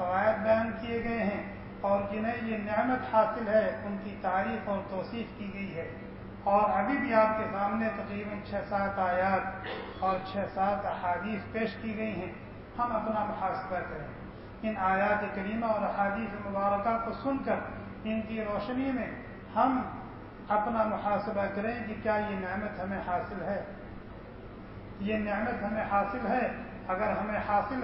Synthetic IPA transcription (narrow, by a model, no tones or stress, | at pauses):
xɐʋaːjət̪̚bɐjãːnkieɡɐeɦɛ̃ | ɔːɾd͡ʒɪnaijenɪʕmət̪haːsɪlɦɛʊnkit̪aːɾiːxɔːɾt̪ɔːsiːfkiɡɐiɦɛː | ɔːɾɦɐbʱibʱiaːp̚kesaːmnet̪ɐqɾiːbənt͡ʃʰɛsaːt̪aːjaːt̪ | ɔːɾt͡ʃʰɛsaːt̪ɐhaːd̪iːspeːʃkiɡɐiɦɛ̃ | hɐmɐpnamʊxaːsɪlpɐk̪ɐɾẽː | ɪnaːjaːt̪ekɐɾiːmaɔːɾɐhaːd̪iːsemʊbaːɾəkakosʊnkɐɾ | ɪnkiɾɔːʃnimẽ | hɐm | ɐpnamʊħaːsɪbakɐɾẽkikjajeneːmət̪ɦɐmẽhaːsɪlɦɛː | jeneːmət̪ɦɐmẽhaːsɪlɦɛ | ɐɡəɾɦɐmẽhaːsɪl